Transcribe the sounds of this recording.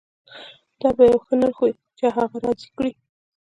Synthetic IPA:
d̪̥ɑbajawxənaɾxoj | t͡ʃaɦaɣaɾɑzikɽi

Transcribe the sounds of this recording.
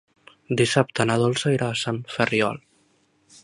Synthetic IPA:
d̪isap̚t̪ənaðolˠsəiɾaːsaɱfərjɔ̰l

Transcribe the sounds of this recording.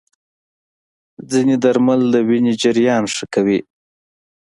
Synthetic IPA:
d͡zined̪aɾmald̪əwined͡ʒɪɾjɑnʂəkawi

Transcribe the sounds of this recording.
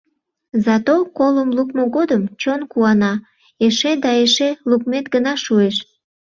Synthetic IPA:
zɑt̪okoləmlukmoɣod̪əmt͡ɕonkuɑnɑ | eʃed̪ɑeʃeluk̚met̪ɡənɑʃueʃ

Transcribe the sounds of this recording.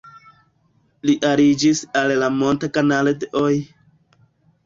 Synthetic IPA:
liʔaɾid͡ʒisallamo̞ntakanalodeʔoj

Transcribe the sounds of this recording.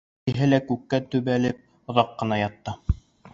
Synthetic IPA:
ɘ̆ɦɘlækʉkːæt̪ʉβælɘp̚ | ŏðɑqːɤ̆nɑjɑt̪ːɤ

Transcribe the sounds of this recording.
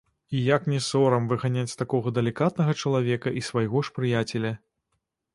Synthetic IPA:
ijaknʲɛsɔɾɐmvɨɣanʲat͡sʲst̪akɔɣɐd̪ɐlʲikat̪̚nɐɣɐt͡ʂɐlˠavʲɛkɐʔisvajɣɔʂpɾɨjat͡sʲɛlʲɐ

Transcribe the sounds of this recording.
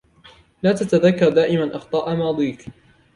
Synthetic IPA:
laːt̪at̪aðakːɑɾˤd̪aːʔɪmanʔɑxt̪ˤɑːʔamɑːd̪ˤiːk

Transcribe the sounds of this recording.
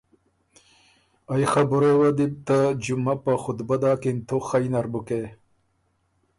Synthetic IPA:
ajxabuɾowad̪ib̚t̪ad͡ʒumapəxʊt̪bad̪ɑːkint̪ʰoxajnaɾbuke

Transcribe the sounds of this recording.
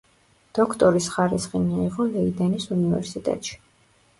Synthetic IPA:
d̪̥ɔkʰt̪ʼɔɾisχaɾisχimiiʁɔlɛid̪ɛnisunivɛ̰ɾsit̪ʼɛ̰t̪ʼʃi̥

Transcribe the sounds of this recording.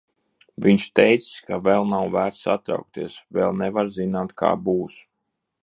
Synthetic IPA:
viɲt͡ʃt̪ɛjt̪si̥skavɛlˠnawvæːɾt̪sat̪ɾa̰wk̚t̪iɛsvɛlˠnɛvaɾzinaːt̪kʰa̰ːbuːs

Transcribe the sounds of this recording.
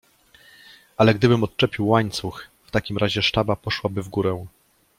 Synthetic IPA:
alɛɡd̪ɘbɘmɔt̪̚t͡ʂɛpʲiwːaɲt̪suxft̪akʲimɾʔaʑɛʂtabapɔʂwabɘvɡuɾɛ̃

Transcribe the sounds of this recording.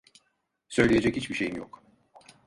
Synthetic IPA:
sø̞jlʲeje̞d͡ʒɛchit͡ʃbiʃejinjo̰k

